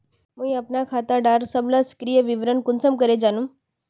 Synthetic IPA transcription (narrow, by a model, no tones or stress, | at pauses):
mũĩəpnakʰat̪aɖaɾsəblaskɾijəʋiʋɾənkʊnsəmkəɾed͡ʒanũː